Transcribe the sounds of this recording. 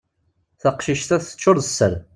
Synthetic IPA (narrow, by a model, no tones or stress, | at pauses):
θaqʃiʃt̪æθə̥t͡ʃːʊɾðəsːə̰ɾ